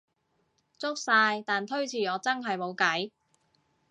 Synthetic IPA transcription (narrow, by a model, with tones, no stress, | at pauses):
t͡sʊ˥k̚saː˧jt̪aː˨nt̪ʰɵ˥ɥt͡sʰiː˨˩ɔː˨˧t͡sɐ˥ŋɦɐ˨jmo˨˧wkɐ˨˥j